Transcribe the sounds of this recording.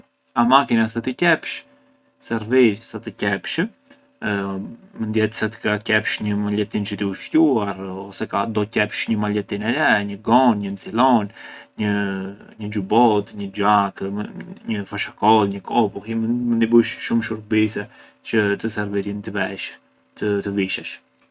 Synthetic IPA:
amakinas̬at̪icɛpʃ | sɛɾviɾsat̪əcɛpʃə | mənd̪jɛt̪sɛt̪ə̥kacɛpʃɲəmalɛt̪int͡ʃət̪iuʃtuaɾɔsɛkad̪ɔcɛpʃɲəmalɛt̪inɛɾɛɲəɡɔnɲənt͡silɔnɲəɲəd͡ʒubɔt̪ɲəd͡ʒakɲəfaʃakɔlɲəkʰɔpuximmənibuʃʃumʃuɾbisɛ | t͡ʃət̪əsɛɾviɾint̪əvɛʃ | t̪ət̪əviʃɛʃ

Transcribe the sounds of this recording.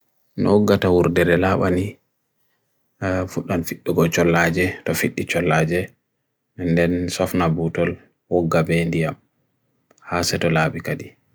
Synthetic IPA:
nɔ̰ɔɡːatawuɾdɛɾɛlaɓani | fuɗanfiɗːɔɡɔt͡ʃɔlːad͡ʒɛtɔfiɗːit͡ʃɔlːad͡ʒɛ | mɛndɛnsɔfnabutɔl | wɔɡːabɛndijam | hasɛtɔlaːbikadi

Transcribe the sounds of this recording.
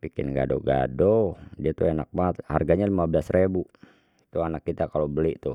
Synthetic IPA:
pikɪ̰nɡa̰do̰ɡa̰dodiat̪uenak̚mat̪̚ha̰rɡaɲalimabəlasrebu | t̪uanakːit̪akalobəliʔt̪u

